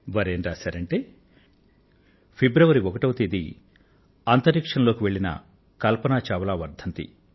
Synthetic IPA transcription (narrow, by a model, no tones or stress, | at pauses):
ʋɐɾeːnɾaːsaːɾɐɳʈeː | pʰebɾɐʋɐɾiɔkɐʈɐwt̪id̪ḭ | ɐnt̪ɐɾikʂɐnɐlo̞ːkiʋe̞ɭːinɐ̰ | kɐlpɐnaːt͡ʃaːʋɐlaːʋɐɾd̪ʱɐnt̪ḭ